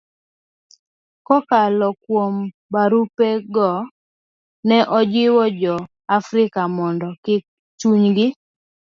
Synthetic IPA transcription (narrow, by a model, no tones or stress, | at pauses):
kɔkalɔkwom | baɾupeɡɔ | nɛʔɔd͡ʒɪwɔd͡ʒɔ | afɾɪkamɔndɔkɪ | t͡ʃuɲɡɪ